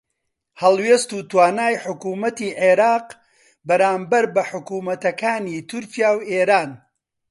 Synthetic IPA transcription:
hɐlˠwest̪uːt̪waːnaːjħʊkuːmɐt̪iːʕeɾaːq | bɐɾaːmbɐɾbɐħʊkuːmɐt̪ɐkaːniːt̪ʰʊɾcijaːweːɾaːn

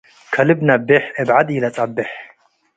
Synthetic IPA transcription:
kʰɐlɨbnɐbːɪħɨbʕad̪jɪlɐt͡sʼabːɨħ

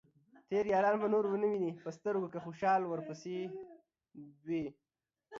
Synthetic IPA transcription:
t̪eɾjɑːɾɑːnmanoɾwənəwinipəst̪əɾukkaxoʃɑːlwəɾpəse | d̪we

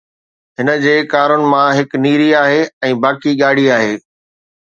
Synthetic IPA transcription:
ɦɪnə̆d͡ʑeːkaːɾʊnɪ̆mãɦɪkniːɾiaːɦeːɛ̃ːbaːkiɠaːɽ̤iaːɦeː

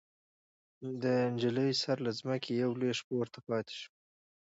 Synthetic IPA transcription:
d̪əɳd͡ʒələjsaɾlazməkʰejawleʂpowɾt̪apɑt̪e̥ʃu̥

